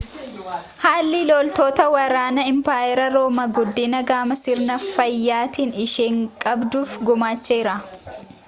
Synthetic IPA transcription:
haːlːɪlolt̪oːt̪ɐwɐɾaːnɐɪmpaːjɛɾɐɾoːmɐɡʊd̪ːɪnɐɡaːmɐsɪɾnɐfɐjːaːt̪iːnɪʃeːŋkʼɐbd̪uːfɡʊmaːt͡ʃːeːɾɐ

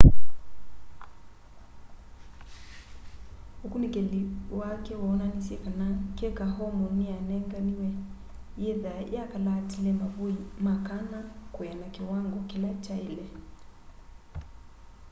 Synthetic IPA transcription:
hukunikɛliwakɛwananisiɛkankɛkaɦɔmɔnianɛŋɡaniwɛ | jɛðaj̰akalatilɛmavuimakanakujanakiwaŋɡɔkilat͡ʃailɛ

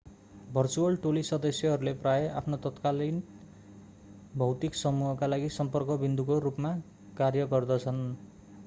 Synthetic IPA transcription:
bʱʌrt͡suʌlʈolisʌd̪ʌsjʌɦʌɾuleprajʌʔa̰pʰnot̪ʌt̪kalin | bʱʌwt̪iksʌmuɦʌkalaɡisʌmpʌrkʌbind̪ukoɾupma | karjʌɡʌrd̪ʌt͡sʰʌn

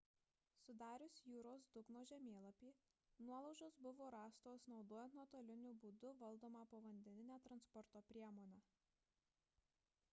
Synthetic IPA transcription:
sʊd̪ɑːɾʲʊsjuːɾoːsd̪ʊɡnoːʒʲɛmʲeːlˠɐpʲiː | nuɔlˠɐʊʒoːsbʊʋoːɾɑːst̪oːsnɒʊd̪oːjɛnt̪nuɔt̪oːlʲɪnʲʊbuːd̪ʊʋɐlˠd̪oːmɑpoːʋɐnʲd̪ʲɛnʲɪnʲæːt̪ɾɐnspɔɾt̪oːpʲɾʲiɛmoːnʲɛː

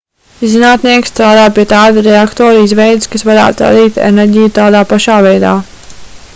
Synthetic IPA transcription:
zinaːt̪niɛkst̪ɾaːd̪aːpiɛt̪aːd̪uɾɛakt̪oːɾizʋɛjd̪ɪskasvaɾa̰ːt̪ɾa̰d̪iːt̪ɛ̰nɛɾʲɟijut̪aːd̪aːpaʃaːvɛjd̪a̰ː

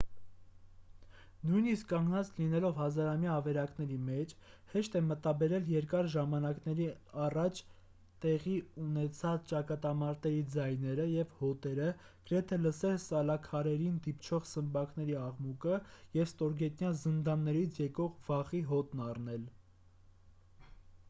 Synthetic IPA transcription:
nujniskːɑŋɡnɑt͡slinɛlɔvhɑzɑɾɑmjɑːvɛɾɑknɛɾimɛt͡ʃʰ | hɛʃt̪ɛmət̪ɑbɛɾɛljɛɾkɑɾʒɑmɑnɑknɛɾiɑrɑt͡ʃʰ | t̪ɛʁiunɛt͡sʰɑt͡st͡ʃɑkɑt̪ɑmɑɾt̪ɛɾid͡zɑjnɛɾəjɛvhɔt̪ɛɾə | ɡ̥əɾɛt̪ʰɛləsɛlsɑlɑkʰɑɾɛɾind̪ipt͡ʃʰɔʁsəmbɑknɛɾiɑʁmukəjɛvst̪ɔɾɡɛt̪njɑzənd̪ɑnnɛɾit͡sʰjɛkɔʁvɑχiɦɔt̪nɑrnɛl

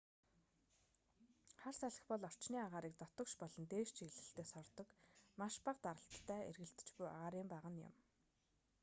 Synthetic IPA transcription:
χarsæɮə̆xpɔɮɔr̥t͡ɕniːaʁaːɾiːk̚t̪ɔt̪ɞ̆kʃpɔɮɞ̆nt̪eːʃt͡ɕʰiɣɮɘ̆ɬt̪eːsɔrt̪ɞ̆kmaʃpaqt̪aɾə̆ɬt̪ʰːæːḛrɣɘ̆ɬt̪ɘ̥̆t͡ɕpuja̰ʁaːɾiːmpæːʁə̆njʊ̰m

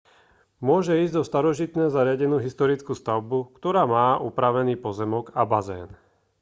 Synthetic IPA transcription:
mʊɔʒɛiːzɟzɔst̪aɾɔʒit̪nɛːzaɾɪaɟɛnuːɦist̪ɔɾit͡skuːst̪aʊbukt̪ɔɾaːmaːʔupɾaʋɛniːpɔzɛmɔɡabazɛ̰ːn

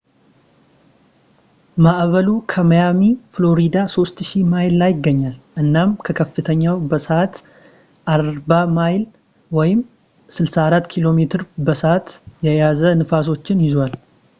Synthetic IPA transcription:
maʔβəlukʰəməjamiflo̞ɾid̪aso̞st̪ʃimajllajɪɡːəɲːalʔɨnːamkʰəkʰəfːɨt̪ʰəɲːawbəsəat̪ | ʔaɾbamajl | wɔjɪm | sɨlsaːɾat̪ːkʰilo̞met̪ʰɨɾbəsəʔat̪jɛjazənɨfas̬o̞t͡ʃːɪnjɪzwal

